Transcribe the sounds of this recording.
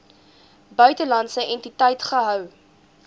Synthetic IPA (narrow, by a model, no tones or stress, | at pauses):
bœɥtəlɐntsəʔɛntitɛjtχəɦœw